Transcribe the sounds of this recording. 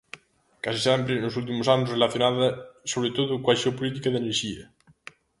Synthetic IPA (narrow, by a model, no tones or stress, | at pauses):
kasisɛmpɾenosult̪̬imosanʊsrelaθjonaðɐsoβɾet̪oðukwasopolit̪ikɐðeneɾʃiɐ